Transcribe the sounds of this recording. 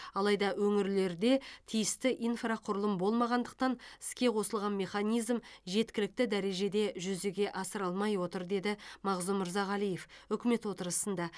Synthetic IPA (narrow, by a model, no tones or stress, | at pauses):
ɑlˠɑjd̪ɑwɵŋɪɾle̞ɾd̪e̞t̪ʰijɪst̪ɪʔijnfraqʰʊɾəlˠəmbo̞lˠmɑʁɑnd̪əq̚t̪ɑnɪ̥skʲe̞qʰo̞səlˠʁɑnme̞χɑnijzmʒe̞t̪kʲɪlɪk̚t̪ɪd̪æɾe̞ʒe̞d̪e̞ʒʏzeɡʲe̞ʔɑsəɾɑlˠmɑjwo̞t̪əɾd̪e̞d̪ɪmɑʁzumɪɾzɑʁɑlˠijefʏkʲɪme̞t̪wo̞t̪əɾəsənd̪ɑ